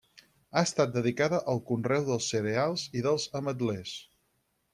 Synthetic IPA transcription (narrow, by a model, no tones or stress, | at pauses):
aəst̪at̪̚d̪əðikaðəʔəlˠkunrɛwðəlˠsːəɾealˠziðəlˠzəməd̪lɛs